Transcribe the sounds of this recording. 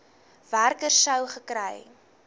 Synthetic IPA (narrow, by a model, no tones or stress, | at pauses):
værkərsəwχəkrɛj